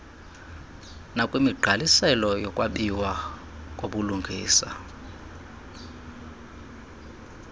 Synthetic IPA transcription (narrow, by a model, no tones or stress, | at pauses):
nakʼwimiɡ͡ǃʱalisɛlɔjɔkʼwaɓiwa | kʼoɓuluŋɡʱiːsa̰